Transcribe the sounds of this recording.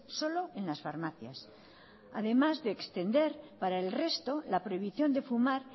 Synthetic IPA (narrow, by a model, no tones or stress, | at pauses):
so̞lo̞e̞nlasfaɾmaθja̰s | a̰ðe̞mazðeːkst̪e̞nd̪e̞ɾpaɾaelre̞st̪o̞lapɾo̞iβiθjo̞nd̪e̞fumaɾ